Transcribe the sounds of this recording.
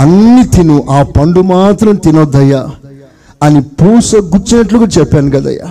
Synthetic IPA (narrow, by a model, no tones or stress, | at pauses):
ɐnːit̪inuʔaːpɐɳɖumaːt̪ɾɐmt̪inod̪ːɐjːa | ɐnipuːsɐɡut͡ʃːinɐʈluɡɐt͡ʃɛpːaːnuɡɐd̪ɐ̰jːa̰